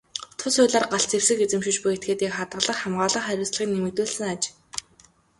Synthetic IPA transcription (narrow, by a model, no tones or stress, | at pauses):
t̪ʰʊsʊːɮaːrɢaɬt͡sʰer̥sɘ̆ket͡sɘ̆mʃɪ̆t͡ɕpʊjet̪ɡeːt̪iːkχat̪ɢə̆ɮə̆χχamɢaːɮə̆χæɾʲʊːsɮʁiːŋnemɘ̆kt̪uːɮsɘ̆ŋat͡ɕ